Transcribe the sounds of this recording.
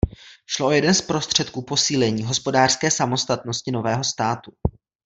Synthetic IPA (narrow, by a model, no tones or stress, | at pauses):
ʃloʔojɛdɛnspɾo̞st̪r̝̥ɛt̪̚kuːpo̞siːlɛɲiːɦo̞spo̞daːr̥skɛːsamo̞st̪at̪noscɪno̞vɛːɦo̞st̪aːt̪u